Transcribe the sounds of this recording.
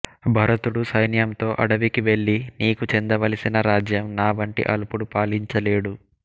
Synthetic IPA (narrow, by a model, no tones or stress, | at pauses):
bʱɐɾɐt̪uɽusɐjnjɐmt̪o̞ːʔɐɽɐʋikiʋe̞ɭːiniːkut͡ʃend̪ɐʋɐlisinɐɾaːd͡ʒjɐmnaːʋɐɳʈḭʔɐ̰lupuɽupaːliɲt͡ʃɐle̞ːɽu